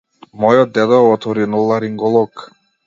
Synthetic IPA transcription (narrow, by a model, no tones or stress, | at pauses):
mɔjɔd̪ɛd̪ɔɔt̪ɔɾinulˠaɾiŋɡɔlˠɔk